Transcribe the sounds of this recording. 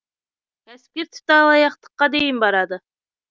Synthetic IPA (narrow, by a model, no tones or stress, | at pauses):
æskeɾt̪ʰʊ̥t̪ɑlˠɑjɑq̚t̪ɤ̥̆qːɑd̪ejɪmbɑɾɑd̪ɤ